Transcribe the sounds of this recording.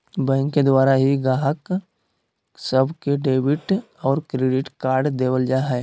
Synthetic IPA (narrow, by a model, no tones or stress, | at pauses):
bɛ̃ːŋkːed̪waːɾaɦiɡaːɦək | səbʱkeɖeːwɪʈ | ɔːɾkɾeːɖɪʈkaːɾɖd̪eːwəld͡ʒaːɦɛː